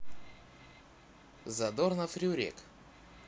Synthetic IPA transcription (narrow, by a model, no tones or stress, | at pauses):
zɐd̪ornɐfɾʲɪʊɾʲḛk